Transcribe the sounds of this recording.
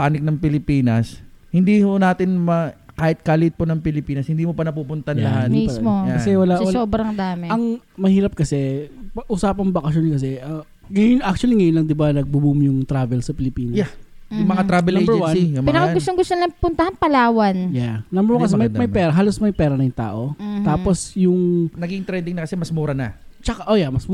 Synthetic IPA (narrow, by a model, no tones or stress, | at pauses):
paːnɪk̚nɐŋpɪlɪpiːnɐshɪnd̪iːhonaːt̪ɪnmɐkaːhɪt̪̚kalɪʔɪt̪̚ponɐŋpɪlɪpiːnɐshɪnd̪iːmopɐnɐpuːpʊnt̪ɐnlɐɦat̪missmojkɐsɛwɐlawɐsoːbɾɐŋd̪aːmɪɐŋmɐhiːɾɐp̚kɐsɛpɐʔusaːpɐŋbɐkɐʃjonkɐs̬ɛɐ | ŋɐjʊnak̚t͡ʃuɐliŋɐjʊnlɐŋd̪ɪbanɐɡ̚bubumjʊŋt̪ɾaːvɛlsɐpɪlɪpiːnjajʊŋmɐŋat̪ɾavɛlbɛwanjpɪnɐkaɡʊst̪oŋɡʊst̪onlɐŋpʊnt̪ɐhanpɐlaːwɐnjanɐmbɛɾokɐsɛmɐjmɐjpɛːɾɐɦaːlosmɐjpɛːɾɐnɐjʊŋt̪a̰ːʔo̞t̪aːposjʊŋnɐɡiŋt̪ɾɛnd̪ɪŋnɐkɐsɛmɐsmuːɾɐnɐ̰t͡ʃɐkaʔojamɐsm